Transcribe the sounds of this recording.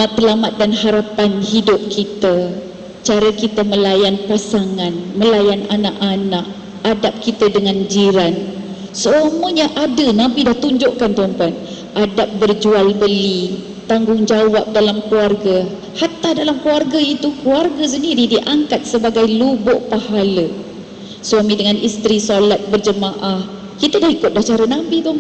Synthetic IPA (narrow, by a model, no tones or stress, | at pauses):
mat̪əlamat̪̚danhaɾapanhidʊp̚kʰit̪a | t͡ʃaɾəkit̪əməlajanpasaŋanməlajananaʔanaʔ̚ | adap̚kit̪ədəŋãnd͡ʒiɾan | smoɲaʔadənãmpidaht̪uɲd͡ʒʊʔkant̪ɔmpat̪̚ | ʔadap̚bərd͡ʒualbəli | t̪aŋɡʊŋd͡ʒawap̚dalamkluarɡa | hat̪adalamkluarɡait̪ukluarɡas̬əndiɾidiʔaŋkat̪̚səbaɡajlubʊʔpahalə | suamĩdəŋanʔist̪ɾisolat̪̚bərd͡ʒəmaʔah | kit̪ədahikʊt̪̚daht͡ʃaɾənãbit̪um